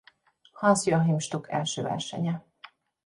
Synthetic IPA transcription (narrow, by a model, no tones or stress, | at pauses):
hɒnsjɒɦimʃt̪ukʰɛlʃøːvɛ̰rʃɛ̰ɲɛ